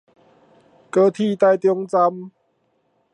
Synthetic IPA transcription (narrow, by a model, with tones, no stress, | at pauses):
kɤː˧˩t̪ʰiː˥˩t̪a˥˧˩jt̪i˧ŋt͡sa˧m